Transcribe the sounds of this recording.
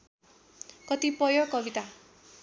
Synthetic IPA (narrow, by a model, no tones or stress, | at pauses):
kʌt̪ipʌjokʌbit̪a